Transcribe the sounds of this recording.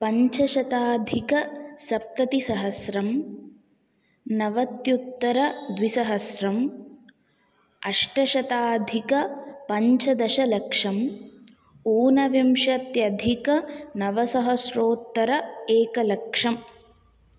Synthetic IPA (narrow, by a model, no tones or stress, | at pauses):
pɐɲt͡ʃɐʃɐt̪aːd̪ʱikɐsɐp̚t̪ɐt̪isɐɦɐsɾɐm | nɐʋɐt̪jut̪ːɐɾɐd̪ʋisɐɦɐsɾɐm | ɐʂʈɐʃɐt̪aːd̪ʱikɐpɐɲt͡ʃɐd̪ɐʃɐlɐkʂɐm | uːnɐʋimʃɐt̪jɐd̪ʱikɐnɐʋɐsɐɦɐsɾoːt̪ːɐɾɐeːkɐlɐkʂɐm